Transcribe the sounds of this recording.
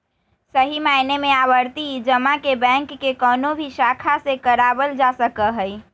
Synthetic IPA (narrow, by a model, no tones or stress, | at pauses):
səɦimaɪnemẽabəɾt̪id͡ʒəmakebɛ̃ŋkːekɔːnobʱiʃakʰasekəɾabəld͡ʒasəkəɦəi